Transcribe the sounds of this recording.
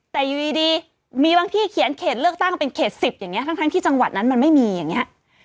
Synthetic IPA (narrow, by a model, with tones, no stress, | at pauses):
t̪ɛː˨˩ju˨˩diː˧diː˧ | miː˧baː˧ŋt̪ʰiː˧˥˩kʰi˨˩˦nkʰeː˨˩t̪̚lɯ˥˩ək̚t̪a˥˩ŋpe˧nkʰeː˨˩t̪̚si˨˩p̚ja˨˩ŋːi˦˥ɐt̪ʰa˦˥ŋt̪ʰŋt̪iː˥˩t͡ɕa˧ŋwa˨˩t̪̚na˦˥nma˧nma˥˩jmiː˧ja˨˩ŋːi˦˥ɐʔ